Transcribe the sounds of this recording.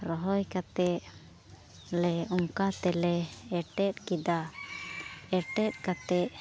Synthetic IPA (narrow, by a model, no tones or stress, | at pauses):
ɾɔɦɔjkat̪ɛʔ | lɛuŋkat̪ɛlɛɛʈɛt̪̚ˀkid̪a | ɛʈɛt̪̚kat̪ɛʔ